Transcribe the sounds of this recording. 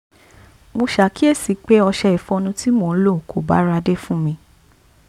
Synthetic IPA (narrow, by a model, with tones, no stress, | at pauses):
mo˧ʃa˨˦ki˦e˦˨si˨˦k͡pe˦ɔ˧ʃɛ˧i˨fɔ̃˧nũ˧ti˦mo˧˨˦lo˦˨kʰo˨ba̰˨˦ɾa˧de˦fũ˦mĩ˧